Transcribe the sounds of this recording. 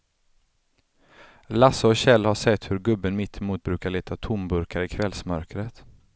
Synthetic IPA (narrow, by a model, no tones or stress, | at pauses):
lasaɔɕɛlːhaʂɛt̪ːhɵɾɡɵbːənmɪt̪ʰːɛmuːt̪̚bɾʉ̟ːkaɭeːt̪ʰat̪ʰʊmbɵɾkaɾɪkʰvɛlsmœɾkɾət̪